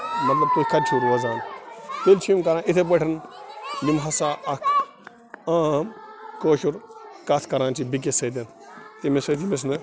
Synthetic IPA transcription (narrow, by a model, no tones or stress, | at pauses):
mɐt̪lɐb̚t̪ukʰɐt͡ʃʰuɾʋɐzaːnt̪elt͡ʃʰimkɐɾaːnʔit̪ʰeb̬ɐʈʰɐnminɦɐsaːʔɐkʰ | aːmkoːʃuɾkat̪ʰkɐɾaːnt͡ʃʰibik̬esɐt̪̬ɐn | t̪imesɐt̪imes̬nɨ